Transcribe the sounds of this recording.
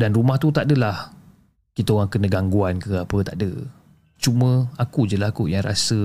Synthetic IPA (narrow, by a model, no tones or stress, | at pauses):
danrumaht̪ut̪aʔdəlah | kit̪əoɣaŋkənə̃ɡaŋɡuankəapət̪aʔdə | t͡ʃumə̃akud͡ʒəlakujaŋɾa̰sə